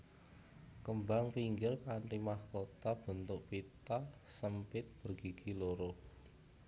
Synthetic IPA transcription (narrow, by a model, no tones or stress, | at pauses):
kəmbaŋpiŋɡɪrkaɳʈimahkot̪ab̥ə̤nt̪ʊʔpit̪asəmpɪt̪̚b̥ərɡ̥i̤ɡ̥ʰiloɾo